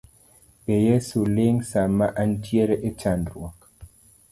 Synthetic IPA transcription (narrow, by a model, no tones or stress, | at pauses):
ejesuleŋsamaʔan̩tjeɾeʔet͡ʃandɾwɔk